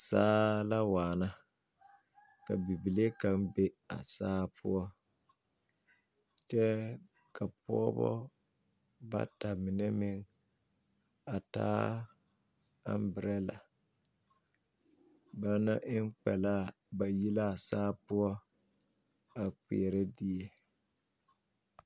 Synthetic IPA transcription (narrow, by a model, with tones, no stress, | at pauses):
saː˦la˦waː˨na˦ | ka˨bi˨bi˨le˦ka˦mbe˦a̰˨saː˦pʰʊ˦ɔ˦ | t͡ʃɛ˦ | ka˨pɔ˦ɔ˦bɔ̰˦ | ba̰˦ta˨mɪ˨nɛ˦mɪ˦ŋ | a˨ta̰ː˦ | a̰˦m˦bɪ˨ɾɛ˦la̰˨ | ba˦na˦ʔɪ˦ŋk͡pɛ̰˨laː˦˨ | ba˨ji˦la˦˨saː˦pʊ˦ɔ˦ | a˨k͡pḭ˨ɛ˨ɾɛ˦di˦e˦